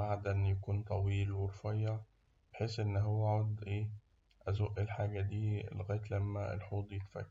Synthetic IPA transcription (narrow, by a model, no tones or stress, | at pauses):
baʕd̪ænjækuːnt̪ˤɑwiːlweɾfɑjːɑ | beħeːsʔenːɦowːæʕɑd̪ʔeː | ʔæzoʔelħaːɡæd̪ḭːlɣæːt̪læmːæḛlħuːd̪ˤjet̪fæ̰kː